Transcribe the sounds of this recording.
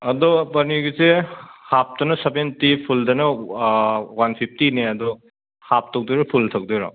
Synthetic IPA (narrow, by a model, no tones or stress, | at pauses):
ɐdɔpɐniɡisehap̚dɐnɐsebentipʰuldɐnɐ | wanpʰip̚ʰtineɐdɔ | hap̚tɔk̚duɾipʰultʰɐk̚dɯɾɔ̰